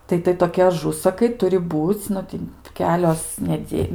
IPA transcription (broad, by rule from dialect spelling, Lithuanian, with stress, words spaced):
ˈtɐɪ tɐɪ toːˈkʲɪ ɐˈʒʊsɐkɐɪ ˈtʊrʲɪ ˈbuːt͡sʲ ˈnʊ tʲɪ ˈkʲæːlʲoːs nʲɛˈdʲeː